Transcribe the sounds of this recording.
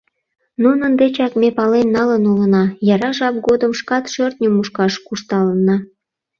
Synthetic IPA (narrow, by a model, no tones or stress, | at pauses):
nunənd̪et͡ɕɑkmʲepɑlenːɑlənulənɑjɑɾɑʒɑp̚ɡod̪əmʃkɑt̪ʃørt̪̚nʲəmuʃkɑʃkuʃt̪ɑlənɑ